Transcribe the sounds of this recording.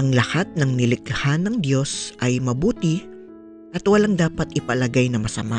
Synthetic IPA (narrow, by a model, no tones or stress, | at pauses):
ʔɐŋlɐhat̪̚nɐŋnɪlɪkhanɐŋd̪jo̞sʔɐjmɐbuːt̪ɪ | ʔɐt̪wɐlaŋd̪aːpɐt̪ɪpɐlɐɡajnɐmɐsɐ̰ma